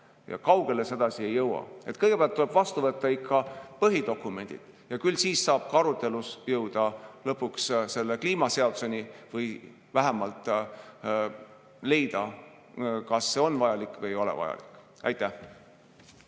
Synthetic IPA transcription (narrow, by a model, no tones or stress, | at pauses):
jɑ̰kɑwɡ̥e̞le̞se̞d̪ɑsie̞jːɤwɑ̰e̞t̪kɤjɡe̞peæɑlt̪ːule̞b̥vɑst̪uvɤt̪ˑːɑikʰːɑpɤɦid̪o̞kːˑume̞nʲd̪̥ḭd̪̥ | jɑkylsiːsːɑːb̥̚kɑɾut̪ːˑe̞lusjɤwd̪̥ɑlɤpːuksse̞lːekliːmɑse̞ɑd̪usenivɤj | væɦæmɑlt̪ˑ | le̞jd̪̥ɑ | kɑsːe̞o̞nvɑjɑlikːˑvɤjo̞lɛ̰vɑ̰jɑ̰li̥kːˑ | ɑ̰jt̪ːˑæh